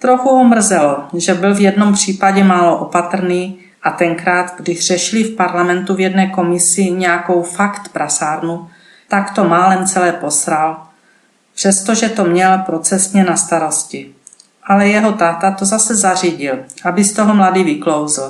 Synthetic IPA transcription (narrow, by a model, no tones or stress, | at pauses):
t̪ɾoxuɦomr̩zɛloʒɛbɪlvjɛdno̞mpr̝̥iːpaɟɛmaːloʔopat̪r̩niː | ʔat̪ɛŋkɾaːt̪ɡdɪʒr̝̥ɛʃɪlɪfpaɾlamɛnt̪uvjɛdnɛːko̞mɪsɪɲɛjako̞wfakt̪pɾasaːɾnu | t̪akt̪o̞maːlɛnt͡sɛlɛːpo̞sɾal | pr̥ɛst̪o̞ʒɛt̪o̞mɲɛlpɾo̞t͡sɛsɲɛnast̪aɾo̞scɪ | ʔalɛjɛɦo̞t̪aːt̪at̪ozasɛzariɟɪlʔabɪst̪o̞ɦomladiːvɪklowzɪl